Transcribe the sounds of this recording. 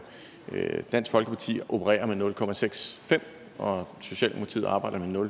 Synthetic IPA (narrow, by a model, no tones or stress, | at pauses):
d̥æn̰sɡ̥fɒ̽lɡ̥əpʰɑ̈t͡sʰḭːʔo̝pʰəʁɛ̰ːɐmenɔ̽lkʰɒ̽mæseɡ̥sfem̰ | ɒ̽so̝ɕɛ̰ːlmʰt͡sʰiðˠɑ̈ːb̥ɑ̈ɪ̰dɐmenɔ̽l